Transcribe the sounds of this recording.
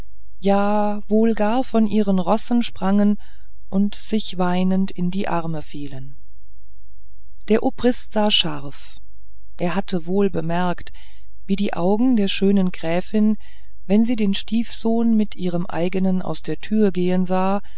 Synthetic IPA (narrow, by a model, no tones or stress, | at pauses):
jaː | voːlɡaːɐfɔnʔiːʁ̞ənʁɔsn̩ʃpʁ̥aŋən | ʔʊntz̥ɪçv̥aɪnəntɪndiːʔaʁməfiːlən | d̥eːɐʔopʁ̥ɪstz̥aːʃaʁf | ʔeːɐɦatəvoːlbəmɛɐkt | v̥iːdiːʔaʊɡŋ̩deːɐʃøːnənɡʁɛːfɪn | vɛnziːdeːnʃtiːfz̥oːnmɪtʔiːʁ̞əmʔa̰ɪɡənənʔa̰ʊsd̥eːɐtʰyːɐɡeːənzaː